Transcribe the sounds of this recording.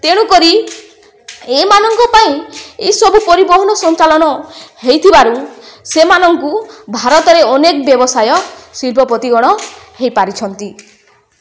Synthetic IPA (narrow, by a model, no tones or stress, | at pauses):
t̪eɽ̃ukɔɾi | emanɔŋkɔpaĩesɔbupɔɾibɔɦɔnɔsɔnt͡ʃalɔnɔhejt̪ʰibaɾusemanɔŋkubʱaɾɔt̪ɔɾeɔnekɔbjɔbɔsajɔsilpɔpɔt̪iɡɔɽ̃ɔhejpaɾit͡ʃʰɔnt̪i